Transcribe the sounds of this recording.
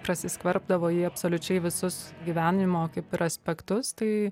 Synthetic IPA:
pɾɐsʲɪskʋɐɾb̚d̪ɐʋoːjiːɐpsoːlʲʊt͡ʃʲɛɪʋʲɪsʊsɡʲiʋʲæːnʲɪmoːkɐɪpɪɾɐsʲpʲɛkt̪ʊst̪ɐɪ

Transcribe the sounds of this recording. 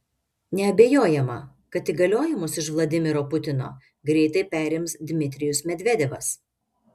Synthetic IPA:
nʲɛɐbʲeːjoːjɛmɐ̰ | kɐt̪iːɡɐlʲoːjɪmʊsɪʃʋlˠɐd̪ʲɪmʲɪɾoːpʊt̪ʲɪno̰ː | ɡɾʲɛɪt̪ɐɪpʲæːɾʲɪmsd̪ʲmʲɪt̪ʲɾʲɪjʊsmʲɛd̪ʲʋʲɛd̪ʲɛʋɐs

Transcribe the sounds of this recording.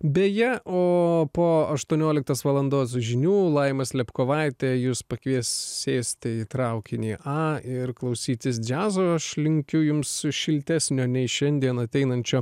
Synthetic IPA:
bʲeːjɛʔoːpoːɐʃt̪uɔnʲoːlʲɪk̚t̪ɐsʋɐlˠɐnd̪oːsʒʲɪnʲuːlˠɐɪmɐslʲɛpkoːʋɐˑɪt̪ʲeːjuːspɐkʋʲiɛssʲeːsʲt̪ʲɪit̪ɾɐʊkʲɪnʲiːʔɑːɪɾklˠɐʊsʲiːt̪ʲɪs̬d͡ʒʲæːzoːɐʃlʲɪŋʲkʲʊjʊmsʃʲɪlʲt̪ʲæsʲnʲoːnʲɛɪʃʲɛnʲd̪ʲiɛnɐt̪ʲɛɪnɐnʲt͡ʃʲoː

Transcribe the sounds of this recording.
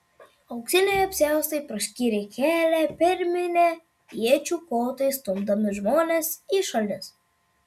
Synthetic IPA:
ɐʊksʲɪnʲɛjɐpʲsʲæˑʊst̪ɐɪpɾɐsʲkʲiːɾʲekʲæːlʲæpʲɪɾʲmʲɪnʲe | iɛt͡ʃʲuːkoːt̪ɐɪst̪ʊmbd̪ɐmʲɪʒmoːnʲeːsiʃɐlʲnʲɪs

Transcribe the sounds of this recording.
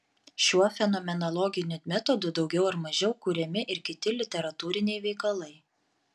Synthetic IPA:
ʃʲuɔfʲɛnoːmʲɛnɔlˠɔɡʲɪnʲʊmʲɛt̪ɔd̪ʊd̪ɒʊɡʲɛʊɐɾmɐʒʲɛʊkuɾʲɛmʲɪʔɪɾkʲɪt̪ʲɪlʲɪt̪ʲɛɾɐt̪uːɾʲɪnʲɛɪʋʲɛɪkɐlˠɐɪ

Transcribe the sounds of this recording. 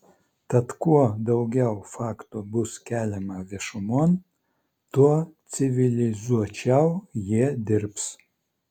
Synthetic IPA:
t̪ɐt̪kuɔd̪ɐʊɡʲɛʊfɑːkt̪obʊskʲæːlʲɛmɐʋʲɛʃʊmoːn | t̪uɔt̪sʲɪʋʲɪlʲɪzuɔt͡ʃʲɛʊjiɛd̪ʲɪɾps

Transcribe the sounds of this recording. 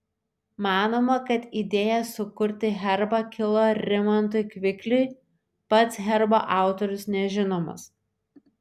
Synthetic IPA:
mɑːnoːmɐkɐt̪iːd̪ʲeːjɛsʊkʊɾʲt̪ʲɪɣʲɛɾbɐkʲɪlˠoːɾʲɪmɐnt̪ʊɪkʲʋʲɪklʲʊɪ | pɐt̪sɦʲɛɾbo̰ʔɑˑʊt̪ɔɾʲʊsnʲɛʒʲɪnoːmɐ̰s

